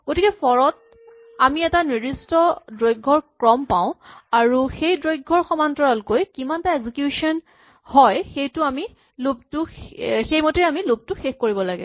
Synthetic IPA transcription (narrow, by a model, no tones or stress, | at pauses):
ɡ̥otʰikɛpʰɔɹɔt̚ | amiɛtaniistɔdɹojɡʱɔɹkɹɔmpãʊ̃aɹuxejdɹojɡʱːɔɹxɔmantɔɹalkojkimantaeɡzikjusɔn | hɔjxejtʊami | lop̚tʊxejmotejamilob̚tʊxexkoɹibɔlaɡɛ̰